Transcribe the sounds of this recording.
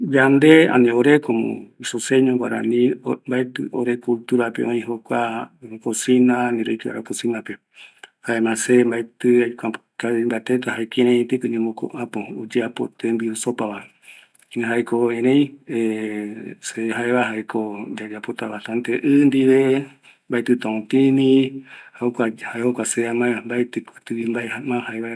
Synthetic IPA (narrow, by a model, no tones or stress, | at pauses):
jand̪eã̰nẽoɾekomõ̰isoseɲõwaɾa̰nĩmbaet̪ɨoɾekult̪uɾapḛõĩɦokʷakosinãnĩɾojkia̰ɾakosĩnãpe | haemãsembaet̪ɨajkʷakaimbat̪et̪ahaekẽɾẽĩt̪ekɨɲẽmõko̰ʔapoud͡ʒeapo̰t̪ʰembiusopaβa | ĩɦaekoẽɾẽj̃e | seɦaeβaɦaekod͡ʒad͡ʒapot̪aβasãnt̪eʔɨnd̪iʋe | mbaet̪ɨt̪ãũt̪ĩnĩhakahaeokʷaseamambaet̪ɨkɨ̥t̪ɨimbaeamãhaeβa